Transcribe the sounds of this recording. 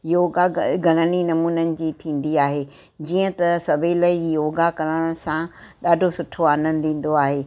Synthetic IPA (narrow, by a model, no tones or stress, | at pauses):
joːɡaɡʱɐɽ̃əñinɐmuːnənɪ̆d͡ʑiːt̪ʰĩːn̆d̪iaːɦeː | d͡ʑiːə̃t̪ɐsɐbʱelɐijoːɡakɐɾəɽ̃ə̃sãɗaːɖʱosʊʈʰoaːnə̃n̆d̪ʱĩːn̆d̪oaːɦeː